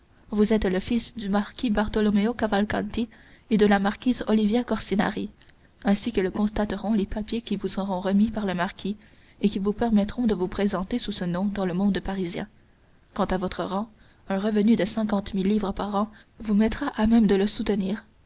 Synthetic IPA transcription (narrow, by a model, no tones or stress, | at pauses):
vuzɛt̪ləfisd̪ymaʁkʲibaʁt̪ɔlɔmeokavalkɑ̰̃nt̪ied̪əlamaʁkʲiːzɔlivjakɔʁsina̰ʁi | ɛ̃sikələkɔ̃st̪at̪əʁɔ̃lepapjekʲivusəʁɔ̃ʁəmipaʁləmaʁkʲʰi | ekʲivupɛʁmɛt̪χɔ̃d̪əvupχezɑ̃t̪esusənɔ̃d̪ɑ̃ləmɔ̃d̪paʁizjɛ̰̃ | kɑ̃t̪avɔt̪χəʁɑ̃ | œ̃ʁəvənyd̪əsɛ̃k̬ɑ̃t̪milːiːvʁəpaʁɑ̃ | vumɛt̪ʁaʔamɛmd̪ələsut̪əniːʁ